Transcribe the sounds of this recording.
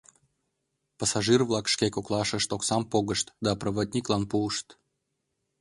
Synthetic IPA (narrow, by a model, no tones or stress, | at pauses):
pɑsɑʒɨrvlˠɑkʃkʲekoklˠɑʃə̆ʃt̪oksɑmpoɣəʃt̪d̪ɑprəβod̪ʲnʲiklˠɑnpuəʃt̪